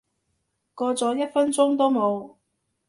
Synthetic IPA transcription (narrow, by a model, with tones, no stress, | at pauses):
kɔː˧t͡sɔː˨˥jɐ˥t̚fɐ˥nt͡sʊ˥ŋt̪o˥wmo˨˧w